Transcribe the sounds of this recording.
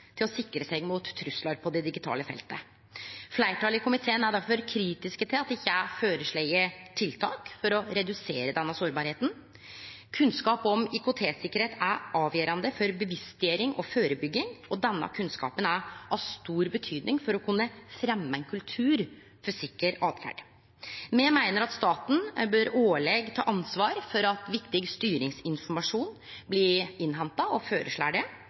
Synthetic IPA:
t̪ʰɪlɔsɪkːɾəsɛɪɡmʊt̪ʰːɾʉslɑɾpʰɔd̪ɛd̪ɪɡɪt̪ʰɑ̰ːləfɛ̰lt̪ə | flæɪʈʰɑːlɪkʰʊmɪt̪ʰeːənæɖæɾfɔɾkʰɾiːt̪ɪskət̪ʰɪlɑt̪ɪçːəæɪføːɾəʂɭɛɪəʈʰɪlt̪ʰɑːkfɔɾɔɾɛd̪ʉseːɾəd̪ɛnːəsoːɾbɑːɾheːt̪n̩ | kʰʉnskɑːpɔmʏkʊt̪ʰeːsɪkːəɾheːt̪ʰæʔɑːʋjøːɾɑnd̪əfɔɾbəʋɪst̪d̪ɪeːɾɪŋʔɔføːɾəbʏɡːɪŋɔd̪ɛnːɑ̰kʰʉnskɑ̰ːpənæɾɑʋst̪uːɾbət̪ʰyːd̪nɪŋfɔɾɔkʰʉnːəfɾɛmːəɛnkʰʉlt̪ʰʉːɾ | fɔsɪkːəɾɑːd̪fæ̰ɖ | mɛmæɪnəɾɑt̪st̪ɑːt̪n̩bøːɾoːɭɛɡt̪ʰɑ̰ːʔɑnsʋɑːɾfɔɾɑt̪ʋɪkt̪ɪɡst̪yːɾɪŋsɪnfɔɾmɑʂuːn | blɪɪnɦɛnt̪ɑɔføːɾʔə̰ʂɭæ̰ɖɪ

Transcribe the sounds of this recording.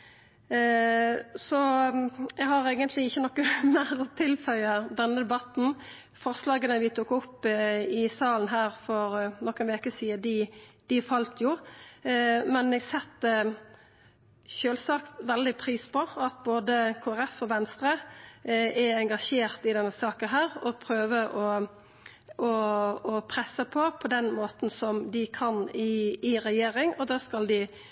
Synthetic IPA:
sɔ | ɛɡɦɑɾeːɡənt̪ʰlɪɪçːənɔkːəmæɾɔt̪ʰɪlfœʏəd̪ɛnːəd̪ɛbɑt̪n̩ | fɔʁslɑːɡənəʋɪt̪ʰuːkːʊpːɪsɑːln̩ɦæːɾfɔɾnɔkːənʋeːkəsiːəd̪ɪd̪̥ɪfɑlt̪jʊ | mɛnɛɡsɛt̪ | ʃøːlsɑːkt̪ʋɛld̪ɪpʰɾiːspʰɔɑt̪boːd̪əkʰoːæɾɛfɔʋɛnst̪ɾə | ɛɛŋɡɑʂeːɾt̪ɪd̪ɛnːəsɑːkənɦæːɾɔpʰɾøːʋəʔɔ | ʔɔɔpʰɾɛsːəpʰɔpʰɔd̪ɛnmoːt̪n̩sɔmd̪ɪkʰɑnɪɪɾɛjeːɾɪŋɔd̪ɛːskɑld̪ɪ

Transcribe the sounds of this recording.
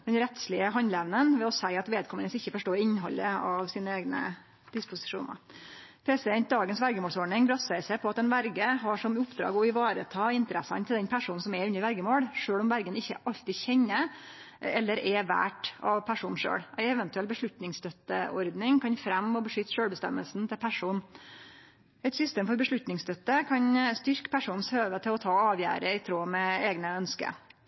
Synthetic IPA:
d̪ɛnɾɛt̪slɪəɦɑnd̪lɛʋnənʋɛɔsæɪɑt̪ʋeːd̪̚kʰɔmənəsɪçːəfɔʂʈoːɾɪnːɦɔ̰lːəɑʋsiːnəeːɡnə̰ | d̪̥ɪspʊsɪ̥ʂṵːnə̰ | pʰeːsɛɛn̚d̪ɑːɡənsʋæɾɡəmoːlsɔɖɳɪŋbɾɑsəæɪsæɪpʰɔɑt̪ɛnʋæɾɡəɦɑʂɔmʊpːd̪ɾɑ̰ːɡɔɪʋɑːɾət̪ʰɑːɪnt̪əɾɛsɑ̰nt̪ʰɪld̪ɛnpʰæʂuːnn̩sɔmɛɾʉnːəɾʋæɾɡəmoːɽʂøːɭɔmʋæɾɡənɪçːəʔɑʎt̪ɪçɛnːə | ɛlːəɾʔɛʋæ̰ːʈɑ̰ʋpʰæʂuːnʂø̰ːɽʔæɪɛʋɛnt̪ʉɛlbəʂɭʉt̪nɪŋst̪œt̪ːəʔɔɾd̪nɪŋkʰɑnfɾɛmːɔbəʂʏt̪ːʂøːlbəst̪ɛ̰mːə̰lsn̩t̪ʰɪlpʰæʂuːn | ɛt̪sʏst̪eːmfɔɾbəʂɭʉt̪nɪŋst̪œt̪ːəkʰɑnst̪ʏɾkpʰæʂuːnsøːʋət̪ʰɪlɔt̪ʰɑːɑːʋjæ̰ːɾəɪt̪ʰɾoːmɛeːɡnəœnskə̰

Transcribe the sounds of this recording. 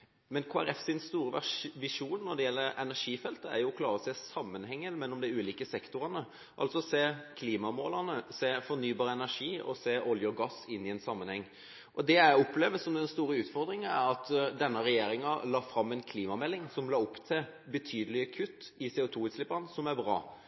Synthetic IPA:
mɛnkʰoːæɾɛfsɪnst̪uːɾəʋæʋɪʂuːnːɔd̪ɛjɛlːəɾɛnæʂiːfɛlt̪əæ̰ɾjʊkʰlɑːɾɔseːsɑmːənhɛŋːəmɛnɔmd̪ɪʉːliːkəsɛkt̪ʊɾənə | ʔɑ̰lt̪sɔseːkʰliːmɑmoːləʁnəseːfɔɾnyːbɑːɾəɛnæʁʂiːɔ̰seːʔɔljəɔɡɑsɪnːɪɛnsɑmːənhɛŋː | ʔɔd̪ɛjæɪɔpleːʋəsɔmd̪ɛnst̪uːɾəʉːt̪fɔɾd̪ɾɪŋənæɾɑt̪d̪ɛnːəɾɛjeːɾɪŋɑlɑːfɾɑmːɛnkʰliːmɑmɛlːɪŋsɔmlɑːɔpːt̪ʰɪ | bət̪ʰyːd̪əlɪəkʰʉt̪ːɪseːʊt̪ʰuːʉt̪slɪpːənsɔmæɾbɾɑ̰ː

